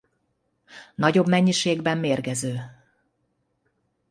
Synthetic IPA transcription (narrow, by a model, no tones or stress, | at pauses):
nɒɟo̞bmɛɲːiʃeːɡbɛmːeːrɡɛzøː